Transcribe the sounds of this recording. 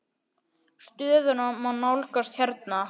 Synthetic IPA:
st̪ʏːðʏnamanːawlkast̪çɛɾt̪̚na

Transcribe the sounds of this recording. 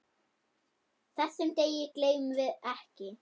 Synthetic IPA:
θɛsːɛmt̪eːjɪkleːjmvɪðɛhcɪ

